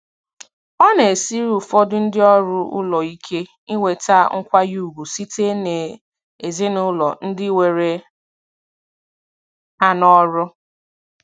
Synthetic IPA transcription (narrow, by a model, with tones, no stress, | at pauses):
ɔ˦ne˨si˦ɾu˦˨fɔ˦dʊ˦n̩˦dɪ˦ɔ˦ɾʊ˦ʊ̰˦lɔ˨i˦kʰe˦ | i˦ŋʷe˨ta˦ŋ̩˦kʷa˦ju˨u˨ɡʷu˨si˦te˦ne˨ | e˨ze˦nʊ˦lɔ̰˨n̩˦dɪ˦we˨ɾe˨ | a˦nɔ˦ɾʊ˦